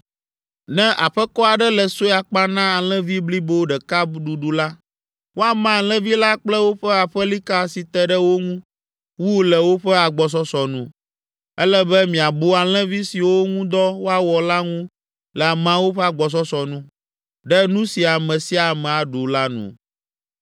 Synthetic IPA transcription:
nɛ̃˦ʔa˨ɸɛ˦kɔ˦a˨ɖɛ˦lɛ˨so˦a˨k͡pa˦nã˦a˨lɛ̃˦vi˦bli˦bo˦ɖɛ˨ka˦ɖu˨ɖu˨la˦ | wo˦a˨mã˦˨lɛ̃˦vi˦la˦k͡plɛ˦wo˦ɸɛ˦a˨ɸɛ˦li˦ka˦si˨t̪ɛ˦ɖɛ˦wo˦ŋũ˦ | wu˦lɛ˨wo˦ɸɛ˦a˨ɡ͡bɔ˨s̬ɔ˦sɔ˨nũ˦ | ɛ˦lɛ˦bɛ˦mĩ˨a˨bo˦a˨l̃ɛ̃˦vi˦si˨wo˦ŋũ˦d̪ɔ˦wo˦a˦wɔ˨la˦ŋũ˦ | lɛ˨a˨mã˦wo˦ɸɛ˦a˨ɡ͡bɔ˨s̬ɔ˦sɔ˨nũ˦ | ɖɛ˦nũ˦si˨a˨mɛ̃˨si˦a˨mɛ̃˨a˨ɖu˨la˦nṵ̃˨

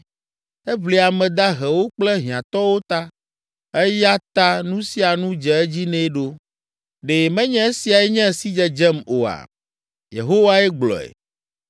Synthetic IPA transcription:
ɛ˦vli˨a˨mɛ̃˨d̪a˦ɦɛ˨wo˦k͡plɛ˦ɦĩ˨ã˨t̪ɔ˦wo˦t̪a˦ | ɛ˦ja˦t̪a˦nũ˦si˦a˨nũ˦d͡ʒɛ˨ɛ˦d͡ʑi˦nɛ̃˦ɖo˦ | ɖe˨mɛ̃˦ɲɛ̃˦e˦si˨a˨ɛ˦ɲɛ̃˦si˦d͡ʒɛ˨d͡ʒɛ˦mo˨a̰˨ | jḛ˨ɦo˦wa˦ɛ˦ɡ͡blɔ̰˨ɛ̰˨

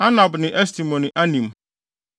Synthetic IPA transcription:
a˦na˨bnɪ̃˨ʔɛ˦s̬ti˨mɔ̃˨nɪ̃˨ʔa˦nĩ˨m

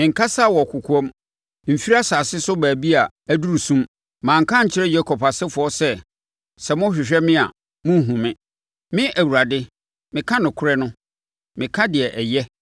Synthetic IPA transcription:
ŋ̩˨kʰa˦sa˦˨wɔ˨kʰʊ˨kʰu˦ɔ˦m | m̩˨fi˦ɾa˦saː˨sɪ˦sʊ˦bæː˨bi˦a˨ | æ˦du˦ɾu˨sũ˦m | mãː˨ŋ̩˨kʰã˦ɲ̩˨t͡ɕʰɪ˦ɾɛ˦jɛ˦kʰɔ˨pʰa˨sɪ˦fʊ˨ɔ˦sɛ˦ | sɛ˨mʊ̃˦ɕᶣɪ˨ɕᶣɛ˦mɪ̃˦a˨ | mʊ̃˦ɦũ˨mɪ̃˦ | mɪ̃˦ʔæ˨wu˨ɾa˨dɪ˦ | mɪ̃˨kʰã˦nʊ̃˨kʰʊ˦ɾɛ˦nʊ̃˦ | mɪ̃˨kʰã˦dɪ˨ɛ˨ʔɛ˨jɛ˦

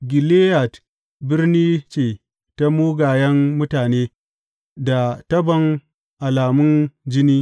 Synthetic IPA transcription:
ɡʲɪ˨leː˦ja˨t | bɪ˦rniː˦t͡ʃeː˨ | ta˦muː˦ɡaː˨jɐ˦ŋːʊ˦taː˨neː˦ | da˨tɐ˦bɐ˨ŋ | ʔa˨laː˨mʊ˦nd͡ʒɪ˦niː˦

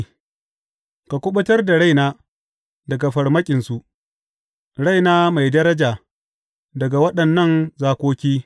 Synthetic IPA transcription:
ka˨kʷʊ˦ɓʊ˦tɐ˦rda˨ɽa˦jnaː˦ | dɐ˨ɡa˨ɸɐ˨rmɐ˦kʲʼɪ˨nsu˨ʔ | ɽa˦jnaː˦ma˨jdɐ˦ɾɐ˦d͡ʒaː˨ | dɐ˨ɡa˨wɐ˦ɗɐ˨nːɐ˦˨nzaː˦kʷoː˦kʲiː˦

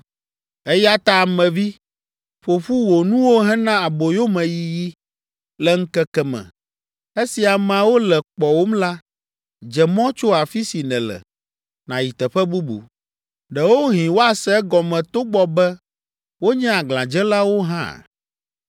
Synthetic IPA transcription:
ɛ˦ja˦t̪a˦˨mɛ̃˨vi˦ | ɸo˨ɸu˦wo˨nũ˦wo˦ɦɛ̃˦nã˦a˨bo˨jo˦mɛ̃˨ji˨ji˦ | lɛ˦ŋ̩˦kɛ˦kɛ˦mɛ̰̃˨ | e˦si˨a˨mã˨wo˦lɛ˨k͡pɔ˨wo˦mla˦ | d͡ʒɛ˨mɔ̃˦t͡ʃo˦a˨fi˦si˨nɛ̃˨lɛ̰˨ | nã˨ji˨t̪ɛ˨ɸɛ˦bu˦bṵ˨ | ɖɛ˨wo˦ɦĩ˨wo˦a˨sɛ˦ɡɔ˨mɛ̃˨t̪o˦ɡ͡bɔ˦bɛ˦ | wo˦ɲɛ̃˦a˨ɡlã˨d͡ʒɛ˦la˦wo˦ɦã̰˦˨

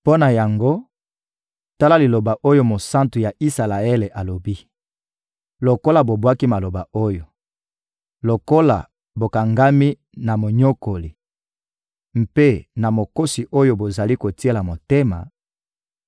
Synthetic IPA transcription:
po˦na˨ja˨ŋɡo˦ | ta˦la˦li˨lo˨ba˨ʔo˦jo˦mo˨sã˦ntu˨ja˨ʔi˦sa˨la˨e˦le˨ʔa˨lo˨bi˦ | lo˨ko˦la˨bo˨bwa˦ki˦ma˨lo˨ba˨o˦jo˨ | lo˨ko˦la̰˨ | bo˨ka˨ŋɡa˦mi˦ | na˨mo˨ɲo˦ko˨li˨ | m̩˨pe˦na˨mo˨ko˦si˨ʔo˦jo˦bo˨za˨li˦ko˨ti˦e˦la˨mo˨te˦ma̰˨

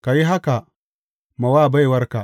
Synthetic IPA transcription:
ka˨ji˦ɦa˦ka˨ | ma˨waː˦˨ba˦jwɐ˦ɾka˨

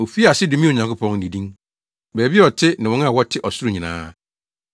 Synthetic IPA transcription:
o˨fi˦˨a˨sɪ˦dɪ˨mĩ˦o˨ɲã˨ŋkʰʊ˦pʰɔ̃˦ŋ˨di˨dĩ˦ŋ | bæː˨bi˦ɔ˨tʰɪ˦nɪ̃˨wɔ̃˦n˦a˦˨wɔ˦tʰɪ˦ʔɔ˨sʊ˦ɾʊ˦˨ɲĩ˨nã̰ː˦

